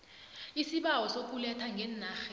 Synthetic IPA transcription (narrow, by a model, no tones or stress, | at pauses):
isiɓawɔsok̬ulɛtʰaŋɡʱɛnːaːxɛ